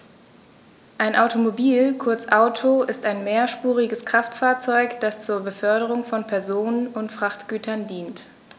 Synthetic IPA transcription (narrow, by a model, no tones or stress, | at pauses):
ʔaɪnʔaʊtʰomobiːlkʰʊɐt͡sʔaʊtʰoʔɪstaɪnmeːɐʃpuːʁɪɡəskʁ̥aftfaːɐt͡sɔʏkd̥ast͡suːɐbəfœɐɾəʁ̞ʊŋfɔnpʰɛɐzoːnənʊntfʁ̥aχtɡ̥yːtʰɐndiːnt